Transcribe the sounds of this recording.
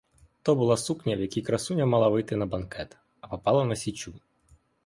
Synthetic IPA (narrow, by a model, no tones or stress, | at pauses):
t̪ɔbʊlˠasuknʲɐwjɐkʲikɾɐsunʲɐmalˠaʋɨɪjt̪ɪnɐbɐnkɛt̪ | ɐpɐpɑlˠɐnɐsʲit͡ʃʲu